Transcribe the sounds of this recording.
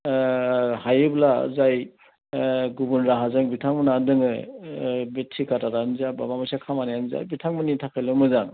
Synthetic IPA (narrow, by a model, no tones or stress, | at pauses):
hajɯbla̰zaj | ɡubunɾaɦazaŋbitʰaŋmɯnadɯŋɯ | betʰːikʰataɾanzababamasakʰamanajanza̰bitʰaŋmɯnitʰakʰajlɯmɯzaŋ